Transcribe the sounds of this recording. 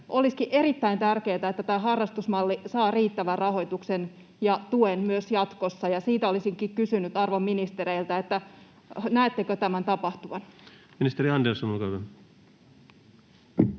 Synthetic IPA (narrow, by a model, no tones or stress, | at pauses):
ʔo̞liskiʔʔe̞ɾit̪ːæint̪ærke̞ːt̪æet̪ːæt̪æːɦɑrːɑst̪usmɑlːisɑːriːt̪ːæʋærrɑɦo̞jt̪uksen | jɑt̪uenmyøsjɑt̪ko̞sːɑjɑsiːt̪æolisiŋkikkysynyt̪ɑrʋomːinist̪eɾeilt̪æet̪ːæ | næet̪ːekøt̪æmænt̪ɑpɑht̪uʋɑn | minist̪eɾiɑndelsonolkɑʋæ